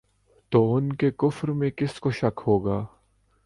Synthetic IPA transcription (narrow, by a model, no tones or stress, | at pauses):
t̪oːʊnkekʊfɾmẽkɪskoʃɐkhoːɡaː